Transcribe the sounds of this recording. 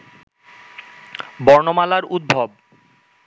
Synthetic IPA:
bɔɾnomalaɾud̪̚bʱob̚

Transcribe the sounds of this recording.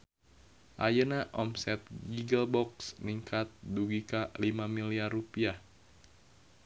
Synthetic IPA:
ʔajənaʔɔmsɛt̪̚ɡiɡəlbɔksniŋkat̪̚duɡikalimamiliarupiah

